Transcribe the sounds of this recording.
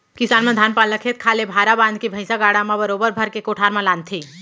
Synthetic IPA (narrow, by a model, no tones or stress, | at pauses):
kisaːnmãd̪ʱanpalːəkʰet̪̚kʰaːlebʱaɾabãnd̪̚kibʱəɪsaɡaːɽamãbəɾobəɾbʱəɾkekoʈʰaɾmãlaːnt̪ʰi